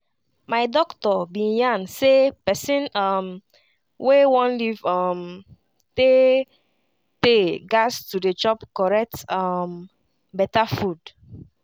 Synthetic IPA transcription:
majdɔktɔbĩjãnsepɛsĩnam | wewɔ̃nlivɔm | te | teɡastudet͡ʃɔpkɔɹɛk̚tam | bɛtafud

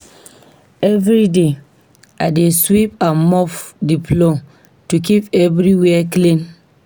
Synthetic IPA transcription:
ɛvɾide | adeswip̚ãnmɔfdipʰlɔ | tukipɛvɾiwɛklĩn

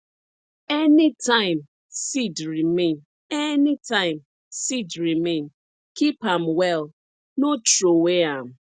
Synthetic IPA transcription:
ɛnɪtʰãɪ̃m | sidɾimen | ɛnitãɪ̃m | sidɹimẽn | kipamwɛl | not͡ʃɾoweam̩

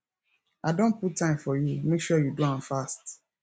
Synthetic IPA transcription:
adõn̚puttːãɪ̃mfɔjumekʃɔjuduãnfast

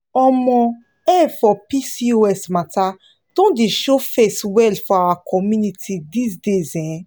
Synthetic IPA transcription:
ɔmɔ̃ | ɛfɔpisioɛsmata | d̥ɔ̃ndeʃofeswɛlfɔawakʰɔmjunitʰidisdezɛ̃

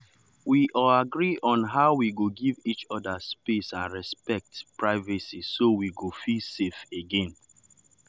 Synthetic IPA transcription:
wiʔɔaɡɹiʔɔ̃nɦaʊwiɡoɡivit͡ʃɔdaspesãnɹɛspɛk̚tpɹaɪvasisowiɡofilsefeɡẽn

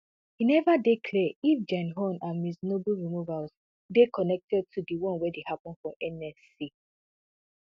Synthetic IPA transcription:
hinɛvadekʰlɛifd͡ʒãnɦɔ̃nãnmisnoblɹimuvaz | dekʰɔnɛk̚tɛd̚tʰudiwɔ̃nwɛdehapɔ̃n̩fɹɔ̃mɛnɛs | i

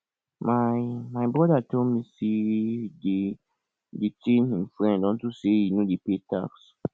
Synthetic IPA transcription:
majmajbɹɔdatomisede | detĩnĩnfɹɛ̃ndɔ̃ntusejinodepeta̰ks

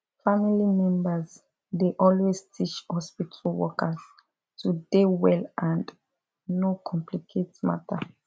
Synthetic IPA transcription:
familimɛ̃mbəz | deʔɔlwestʰit͡ʃhɔspitʰəlwɔkaz | tʰudewɛlʔãnd | nokʰɔ̃mplikʰetma̰tʰa

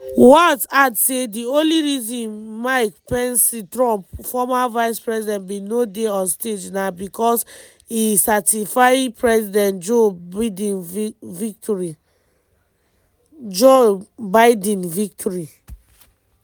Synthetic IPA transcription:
wɔtadsediõnliɹizĩnmaɪk̚pɛ̃nsitɹɔ̃mpfɔmavaɪspɹɛsidɛ̃ntbinodeɔ̃nsted͡ʒnabikɔs | isatifajpɹɛsidɛ̃ntd͡ʒoid̃nvik̚tʰɔɹi | d͡ʒobaɪdɛ̃nvik̚tʰɔɹi

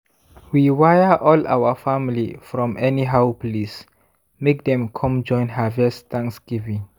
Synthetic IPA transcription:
wiwajəʔɔla̰wəfamilḭfɹɔ̃mʔɛniɦaʊpʰlis | mek̚dɛ̃mkʰɔ̃md͡ʒɔ̃j̃nɦavɛst̪ʰãŋksɡ̥ivĩŋ

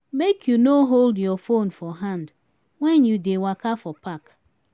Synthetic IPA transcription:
mekʰjunoɦoldjɔfonfɔɦãnd | wɛ̃njudewakafɔpak

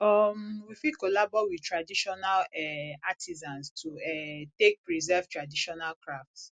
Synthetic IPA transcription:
ɔmwifikolabɔwidtɹadiʃɔnalɛatʰizãnstʰuɛtek̚pɹizɛvtɹadiʃɔnalkɹaft

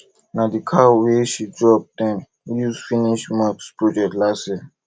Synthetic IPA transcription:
nadikʰaweʃid͡ʒɔb̚dɛ̃n | juzfiniʃmakspɹɔd͡ʒɛk̚tlasɛ

